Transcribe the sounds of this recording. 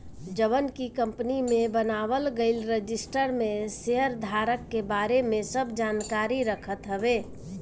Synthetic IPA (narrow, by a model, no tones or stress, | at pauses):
d͡ʒəβənkikə̃mpnimẽbənaːʋəlɡəɪlɾəd͡ʒɪsʈəɾmẽseɦəɾd̪ʱaːɾəkːebaːɾemẽsəbd͡ʒaːnkaːɾiɾəkʰət̪ɦəbe